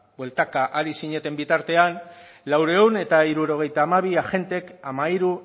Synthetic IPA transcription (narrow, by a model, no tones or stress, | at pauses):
bwe̞lt̪akaʔaɾisiɲe̞t̪e̞mbit̪aɾt̪e̞an | lawɾe̞une̞t̪aiɾuɾo̞ɣ̞e̞jt̪aːmaβ̞iaʝe̞nt̪e̞kamaiɾu